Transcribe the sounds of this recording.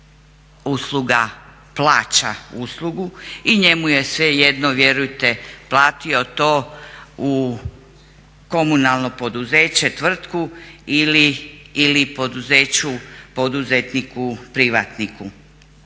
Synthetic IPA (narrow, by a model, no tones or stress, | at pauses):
uːslˠuɡa | plˠaːt͡ɕauːslˠuɡuiɲe̞muje̞sʋejed̪noʋje̞ɾujt̪e̞plˠaːt̪io̞t̪o̞ːu | ko̞munalˠno̞po̞d̪uzeːt͡ɕe̞t̪ʋr̩t̪kuiliːlipo̞d̪uzeːt͡ɕupo̞d̪uzet̪nikupɾiʋa̰t̪niku